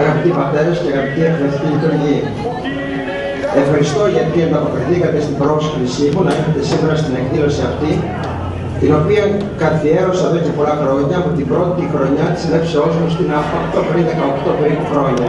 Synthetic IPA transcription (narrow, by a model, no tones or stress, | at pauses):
ɐɣɐpit̪ipɐt̪e̞ɾɐsceɐɣɐpit̪iɐfɾeɐɾθic̪iʎit̪uɾʝiɐ | e̞fxɐɾist̪o̞ʝɐt̪iɐnd̪ɐpo̞kɾiθikɐt̪est̪ibɾo̞osikɾisimunɐixɐt̪e̞simeɾɐst̪ine̞kðilo̞siɐft̪i | t̪ino̞piɐ | kɐθie̞ɾo̞sɐðecepo̞lɐxɾo̞ɲɐːpot̪imbɾo̞t̪iixɾo̞ɲɐt̪i̥sle̞pseo̞zmost̪inɐfɐkt̪opeɾinðekɐo̞kt̪o̞pe̞ɾipuxɾo̞ɲɐ